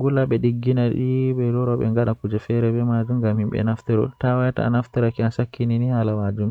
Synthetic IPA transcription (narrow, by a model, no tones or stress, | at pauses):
ɡulaɓɛɗiɡːinaɗiɓɛlɔɾɔɓɛ̰ŋɡaɗakud͡ʒɛfɛɾɛbɛmad͡ʒumɡamhimɓɛ̰naftɛɾɔ̰tawajta̰a̰naftɛɾakiasakʰːininihalamad͡ʒum